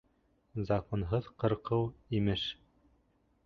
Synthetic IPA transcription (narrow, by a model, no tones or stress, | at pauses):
zɐkonɦɤðqɤ̆ɾqɤwimɘʃ